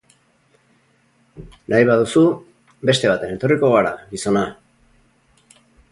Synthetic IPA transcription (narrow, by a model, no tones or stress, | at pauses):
najβaðusu | be̞st̪e̞β̞at̪e̞ne̞t̪o̞riko̞ɣaɾaɡiso̞na